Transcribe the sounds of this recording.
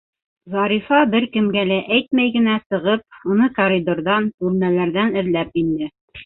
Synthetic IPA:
zɑɾifɑbɘɾkɘ̆mɡælæʔæjt̪mæjɡɘ̆næsɤ̆ʁɤp̚unɤkoɾʲid̪orðɑnʉlmælæɾðænɘ̆ɾlæp̚ind̪ɘ

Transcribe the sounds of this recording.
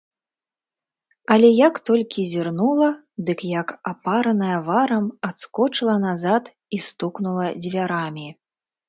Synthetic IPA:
ɐlʲɛjɐkt̪ɔlʲkʲizʲirnulˠɐ | d̪ɨkjɐkapaɾɐnɐjɐvaɾɐmat̪skɔt͡ʂɨlˠɐnazat̪ | ist̪uknulˠɐd͡zʲvʲaɾamʲi

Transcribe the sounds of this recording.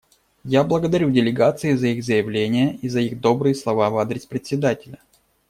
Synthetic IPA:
jablˠəɡəd̪ɐɾʲudʲɪlʲɪɡat̪sɨɪzɐiɣzəjɪvlʲenʲɪjəizɐiɣd̪o̞bɾɨjəslˠɐvavad̪ɾʲɪspɾʲɪt̪ʲsʲɪd̪atʲɪlʲə

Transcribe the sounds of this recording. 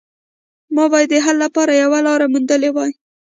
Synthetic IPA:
mɑbɑjd̪ːəɦalːapɑɾajawalɑɾamund̪əlewɑj

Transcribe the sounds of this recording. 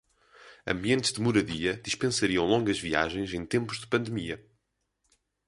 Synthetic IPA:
ɐ̰̃mbiẽnt̪ʒ̥ðɨmuɾɐðiɐðiʃpẽsɐɾiɐ̃w̃lˠõŋɡɐʒvia̰ʒẽj̃zẽj̃t̪ẽmpuʒðɨpɐ̃nd̪ɨmiɐ

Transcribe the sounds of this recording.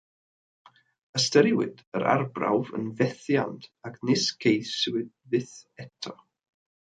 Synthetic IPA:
əstəɾɪwɪ̰d̥əɾʔa̰rbra̰wvə̰nvɛθja̰ntʰaknɪskʰejswɪd̚vɨθɛtʰɔ

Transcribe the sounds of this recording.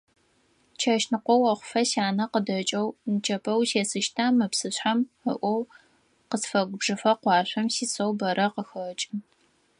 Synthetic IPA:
t͡ʃʰɐʃnɨqʷɔwɐχʷʊfɐɕaːnɐqədɐt͡ʃʼɐwnɨt͡ʃʰʼɐpʰɐwseːsɨʃtʰaːmɨpsɨɕħaməʔʷɔw | qəsfɐɡʷʊbʐɨfɐqʷɑːɕʷɐmsiːsɐwbɐɾʔɐqəxɐt͡ʃʼɪ

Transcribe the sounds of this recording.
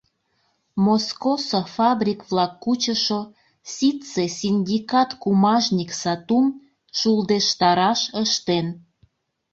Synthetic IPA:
moskosofɑbrʲikβlɑkːut͡ɕəʃo | sʲit̪t͡sesʲinʲd̪ʲikɑt̪kumɑʒnʲiksɑt̪um | ʃuld̪eʃt̪ɑɾɑʃəʃt̪en

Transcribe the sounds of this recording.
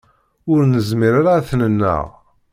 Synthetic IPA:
ʊɾnəzmiɾaɾaθnənːə̰ʁ

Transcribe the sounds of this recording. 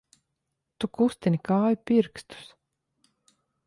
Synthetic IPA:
t̪ukust̪inʲikɑːjpirkst̪u̥s

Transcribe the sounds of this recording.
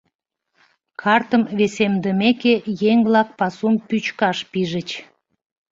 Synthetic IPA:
kʰɑrt̪əmβesemd̪əmekejeŋβlɑk̚pɑsumpyt͡ɕkɑʃpiʒət͡ɕ

